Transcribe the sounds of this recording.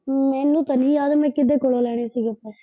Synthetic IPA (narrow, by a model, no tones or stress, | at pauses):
mɛːnːũːt̪ənɦiːjaːd̪mɛ̃ːkɪd̪eːkoloːlɛːɽ̃eːsiːɡeəpːɛː